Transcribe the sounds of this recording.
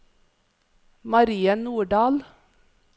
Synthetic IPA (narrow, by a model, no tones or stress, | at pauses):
mɑɾiːənuːɖɑːl